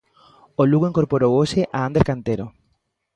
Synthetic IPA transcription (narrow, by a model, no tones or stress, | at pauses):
oluɣoiŋkoɾpoɾowoʃeʔaãnd̪eɾkant̪eɾo